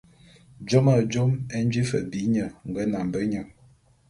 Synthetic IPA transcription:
d͡ʒɔ˦ma˦˨d͡ʒɔ˦mɛ˦n̩˦d͡ʒi˦fə̰˨bi˨˦ɲə˨ŋ̩˨ɡə˦na˨m˨bə˦ɲə˨ŋ

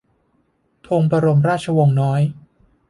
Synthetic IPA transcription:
t̪ʰoː˧ŋpa˧ɾo˧mɾaː˥˩t̚t͡ɕʰa˧wo˧ŋnɔː˦˥j

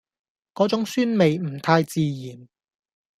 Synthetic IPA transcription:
kɔː˨˥t͡sʊ˨˥ŋsyː˥nme˨jm̩˨˩t̪ʰaː˧jt͡siː˧jiː˨˩n

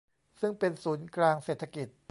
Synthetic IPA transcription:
sɯ˥˩ŋpe˧nsuː˩˦nklaː˧ŋseː˨˩t̪ʰa˧ki˨˩t̪̚

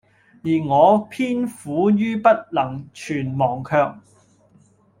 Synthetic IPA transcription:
jiː˨˩ŋɔː˨˧pʰiː˥nfuː˨˥jyː˥pɐ˥t̚lɐ˨˩ŋt͡ʃʰyː˨˩nmɔː˨˩ŋkʰœː˧k̚

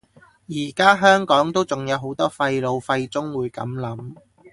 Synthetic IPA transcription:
jiː˨˩kaː˥ɦœː˥ŋkɔː˨˥ŋt̪o˥wt͡sʊ˨˩ŋjɐ˨˧wɦo˨˥wt̪ɔː˥fɐ˧jlo˨˧wfɐ˧jt͡sʊ˥ŋwuː˨˧jkɐ̰˨˥mlɐ˨˥m

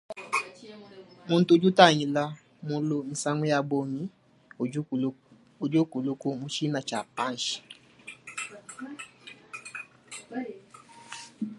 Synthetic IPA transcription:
mõ˧n̩˦to˧˦d͡ʒu˦ta˦˨ɲ̃ĩ˧la˦ | mõ˧˦lo˧nĩ˧sa˦ŋẽ˦a˧ɡ͡bo˧mĩ˨˦˨ | o˨d͡ʒo˦ko˨lo˦ko˧mũ˧ʃi˦nã˧˨t͡ʃa˨pã˦n̩˨ʃi̥˨

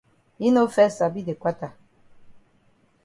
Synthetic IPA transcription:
i˦no˦fɛ˦sa˨bi˦de˨kwa˦ta˨

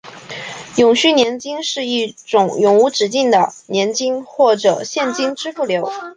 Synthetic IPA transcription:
jʊ˨˩ŋɕy˥˩njɛ˧˥nt͡ɕi˥ŋʂɻ̩˥˧i˥˩ʈ͡ʂʊ˨˩˦ŋjʊ˨˩ŋu˧˥ʈ͡ʂɻ̩˨˩t͡ɕi˥˩ŋd̪ə˩njɛ˧˥nt͡ɕi˥ŋxwɔ˥˩ʈ͡ʂɤ˨˩ɕjɛ˥˩nt͡ɕi˥ŋʈ͡ʂɻ̩˥fu˥˩ljo˧˥ʊ

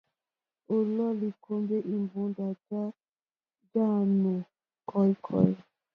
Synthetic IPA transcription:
o˨lɔ˦li˨kʰo˦mbe˦ʔi˨mbũ˨˦nda˨d͡ʒa˦ | d͡ʒa˦nu˨ | kʰɔ˨˦jkʰɔ̰˦˨j

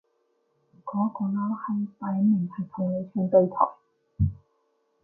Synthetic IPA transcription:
kɔː˨˥kɔː˨˧˥laː˧˥whɐ˨˩jpaː˨˧˥jmɐ˨˩nt̪ʰɐ˨˩jt̪ʰʊ˨˩ŋle˨˧jt͡ʃʰœː˧˥ŋp̪e˧jt̪ʰɔ̰ː˨˩ŋ

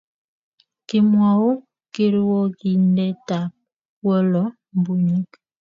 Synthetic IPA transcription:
ki˨mwa˨u˦ | ki˦ɾwɔ˦ki˦˨ndɛ˦ta˨p̚ | wə˦lɔ˨˦ | m˨bu˨ɲi˦k

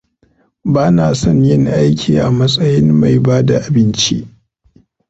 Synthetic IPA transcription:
baː˦naː˨sɔ˦˨ɲjɪ˦ŋʔa˦jkʲʰiː˨ʔa˨mɐ˦sʼɐ˦jɪ˦mma˨jbaː˦da˨ʔa˨bɪ˦nt͡ʃḭ˦ʔ

